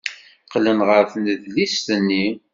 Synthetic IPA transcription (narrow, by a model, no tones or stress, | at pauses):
qlənʁəɾfnəðlist̪ənːi